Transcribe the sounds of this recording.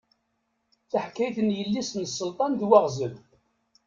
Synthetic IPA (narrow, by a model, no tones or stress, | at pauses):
θaħkːæjθənjəlːisnsːəlt̪ˤɑnðwaʁzəl